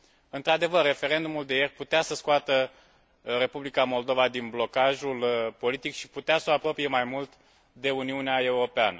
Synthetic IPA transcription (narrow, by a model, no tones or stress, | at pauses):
ɨnt̪ɾad̪e̞vərːe̞fe̞ɾe̞nd̪umuld̪e̞je̞rʲput̪easəskoat̪ə | re̞publikamo̞ld̪o̞vad̪inblo̞kaʒulpo̞lit̪ikʃi̥put̪easoapɾo̞pije̞majmult̪ | d̪e̞uniuneae̞uɾo̞peanə